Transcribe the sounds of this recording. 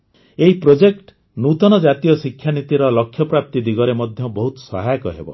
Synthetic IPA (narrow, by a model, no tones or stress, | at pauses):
eɦipɾod͡ʒekʈ | nut̪ɔnɔd͡ʒat̪ijɔsikʰːjanit̪iɾɔlɔkʰːjɔpɾap̚t̪id̪iɡɔɾemɔd̪ʱjɔbɔɦut̪ɔ̥sɔ̰ɦajkɔɦḛbɔ̰